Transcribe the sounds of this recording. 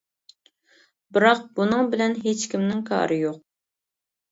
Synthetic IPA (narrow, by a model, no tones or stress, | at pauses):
bɨɾɑq̚b̥unɨŋbɪlɛnɦet͡ʃkʲimnɪŋkʰɑ̰ːɾɨjoq̚